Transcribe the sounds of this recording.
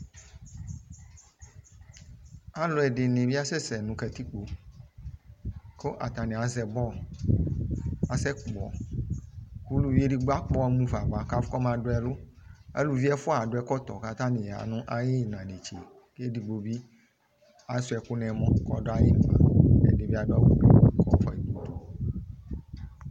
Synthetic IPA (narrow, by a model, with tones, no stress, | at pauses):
a˨lo˨ɛ˨ɖe˨nẽ˨vi˦a˦sɛ˦sɛ˨nũ˨kɛ˨t̪i˦k͡po˨ | ko˦ʔa̰˨t̪ã˨nẽ˨a˨zɛ˨bɔ˦ | a˨sɛ˦kk͡pɔ̰˨ | ku˦lu˨vi˦e˦ɖi˦ɡ͡ba˦k͡pɔ˦mũ˦va˨va˨ka˦fkɔ˦mã˨do˦ɛ˨lo˦ḛ˦lu˨vi˦ɛ˦fo˦a˨ɖo˦ɛ˦kɔ˦t̪ɔ̰˨ka˦t̪ã˦nĩ˨a̰˨nũ˦ʔa˦je˦˨nã˨ɖe˨t͡ʃe˨ | ke˦di˨ɡ͡bo˨bi˦ | a˨˦su˦ɛ˨ku˦nɛ̃˨˦mɔ̃˦kɔ˦ɖo˦a˨je˦nũ˨ã̰˨ɛ̰˨de˦vi˦a˨do˦a˦wu˨dḛ˨˦kɔ˦fɔ̰˨i˨ɡ͡bu˦t̪ɔ˨